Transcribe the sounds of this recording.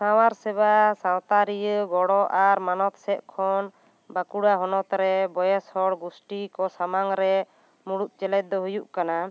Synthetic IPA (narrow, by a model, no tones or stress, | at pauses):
sawaɾsɛbasawt̪aɾijəɡɔɽɔʔaɾmanɔt̪sɛʔ̪̚kʰɔn | bakuɽaɦɔnɔt̪ɾɛbɔjɛshɔɽɡusʈikɔsamaŋɾɛ | muɽuʔ̪̚ˀt͡ʃɛlɛt̪̚d̪ɔɦujuʔkana